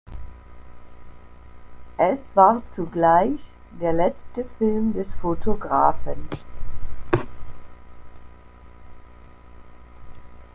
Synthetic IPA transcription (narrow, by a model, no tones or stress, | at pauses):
ʔɛsv̥aːɐt͡suɡlaɪç | d̥eːɐlɛt͡stəfɪlmdɛsfotʰoɡʁaːfən